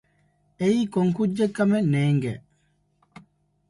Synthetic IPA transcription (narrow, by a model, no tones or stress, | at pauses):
eikoŋkud͡ʒːekːɐmɛneːŋɡɛ